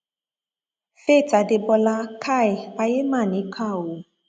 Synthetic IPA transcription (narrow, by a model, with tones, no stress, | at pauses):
fe˦˨ta˨de˧bɔ˧la˧˦kʰa˦˨ɛ˨a˧je˦mãː˦˨nĩ˨˦kʰa˦˨o˨